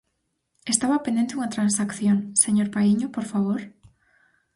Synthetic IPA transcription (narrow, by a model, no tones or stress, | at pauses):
est̪aβɐpend̪ent̪euŋɐt̪ɾansakθjoŋseɲoɾpaiɲopoɾfaβ̞oɾ